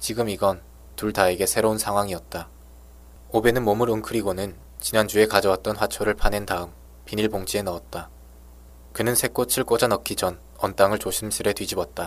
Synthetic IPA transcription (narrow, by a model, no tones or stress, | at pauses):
t͡ɕiɡɯmiɡʌn | tuɭtaeɡe̞sʰe̞ɾounsʰaŋɦwaŋiʌt̚t͈a | obe̞nɯnmomɯɾɯŋkʰɯɾiɡonɯn | t͡ɕinand͡ʑue̞kad͡ʑʌwat̚t͈ʌnɸwat͡ɕʰoɾɯɭpʰane̞ndaɯm | piniɭpoŋt͡ɕ͈ie̞nʌʌt̚t͈a | kɯnɯnsʰe̞k͈ot͡ɕʰiɭk͈od͡ʑanʌkʰid͡ʑʌn | ʌnt͈aŋɯɭt͡ɕoɕʰims͈ʰɯɾe̞tɥid͡ʑibʌt̚t͈a